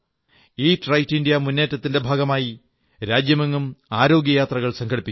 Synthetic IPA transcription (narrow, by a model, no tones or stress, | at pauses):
iːtrɐjtːindijɐmunːe̞ːtːɐt̪ːinde̞bʱaːɡɐmaːji | ɾaːd͡ʑjɐmeŋːumaːɾo̞ːɡjɐjaːt̪rɐɣɐɭsɐŋkʰɐɽipːit͡ɕ